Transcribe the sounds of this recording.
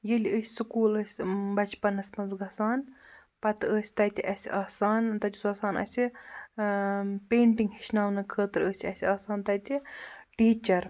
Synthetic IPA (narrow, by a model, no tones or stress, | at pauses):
jilʲiəːsʲisukuːləːsʲbɐt͡ʃpɐnɐsmɐnzɡɐsaːn | pɐt̪əːsʲt̪ɐt̪ʲiʔɐsʲiʔaːsaːnt̪ɐt̪ʲusɐːsaːnʔa̰ːsʲi | peːɳʈiŋɡɦiʃnaːwnɨkʰəːt̪ɨɾəːsʲɐsʲiaːsaːnt̪ɐt̪iʈiːt͡ʃɐɾ